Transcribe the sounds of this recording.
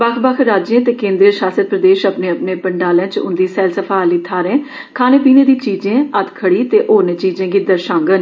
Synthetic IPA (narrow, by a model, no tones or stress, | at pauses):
bəkʰbəkʰɾaːd͡ʒẽːt̪eːkẽːnd̪ɾəɾʃaːsəd̪̚pɾəd̪eːʃəpnẽːəpneːpəɳɖaːlẽːt͡ʃʊ̰̃nd̪iːsɛːlsəpʰaːliːt̪ʰaːɾẽː | kʰaːneːpiːneːd̪ĩːt͡ʃiːd͡ʒẽːət̪ʰkʰəɽiːt̪eːʔoːɾnẽːt͡ʃiːd͡ʒẽːɡiːd̪əɾʃãːŋɡən